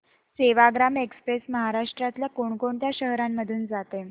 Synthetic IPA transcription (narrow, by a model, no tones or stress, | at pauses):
seʋaɡɾamekspɾesməɦaɾaʂʈɾat̪ljakoɳkoɳt̪jaɕəɦɾamːəd̪ʱuːnd͡zat̪e